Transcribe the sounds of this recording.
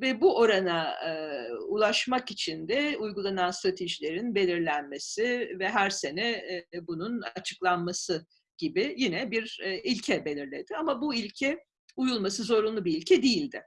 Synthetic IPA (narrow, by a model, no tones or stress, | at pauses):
vɛbuʔo̞ɾana | ulˠaʃmakit͡ʃʰind̪ɛujɡulˠananst̪ɾat̪ʰe̞ʒilʲe̞ɾinbe̞lʲiɾlʲænme̞sɪvɛɦæɾse̞nɛbununat͡ʃʰɯ̥klˠanmasɯ | ɟ̥ibɪjinɛbiɾilʲcʰɛbe̞lʲiɾlʲe̞d̪ɪamabuilʲcʰɛ | ujulˠmasɯzo̞ɾunlˠubiːlʲcʰɛd̪ejilʲd̪ɪ̰